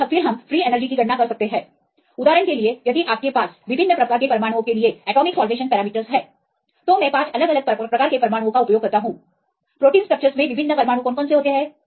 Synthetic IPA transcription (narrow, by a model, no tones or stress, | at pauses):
ɐfɪɾɦɐmfɾiːeːnəɾd͡ʒikiɡʱɐʈnakɐɾsɐk̚t̪eɦɛ̃ː | ʊd̪aːɾənkeliejɐd̪iʔaːp̚kepaːsʋɪbʱɪnːəpɾɐkaːɾkepɾɐɾmaːɽ̃õkelieɛːʈɔːmɪksaːlʋeːʃənpɛːɾaːmiːʈəɾzɦɛː | t̪omɛ̃ːpãːt͡ʃɐləɡɐləɡ̚pɾɐkaːɾkepɾɐɾmaːɽ̃õkaʊpjoːɡ̚ɦɐɾt̪aɦũː | pɾoːʈiːnsʈɾɐk̚t͡ʃəɾzmẽʋɪbʱɪnːəpɐɾmaːɽ̃õkɔːnkɔːnseɦoːt̪eɦɛː